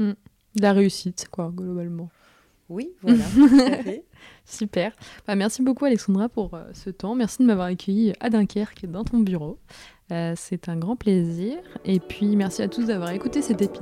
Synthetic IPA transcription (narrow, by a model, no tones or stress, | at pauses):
m̩ | d̪laʁeysit̪kwaɡlɔbalmɑ̃ | wiv | sypɛʁbamɛʁsibokualɛksɑ̃d̪ʁapuʁə̰sət̪ɑ̃mɛʁsid̪əmavwaʁakʰʲœjiʔad̪ɛ̃kʲʰɛʁkʲd̪ɑ̃t̪ɔ̃byʁo | øsɛt̪ɛ̃ɡʁɑ̃pleziːʁepɥimɛʁsiat̪usd̪avwaʁekut̪esɛt̪epi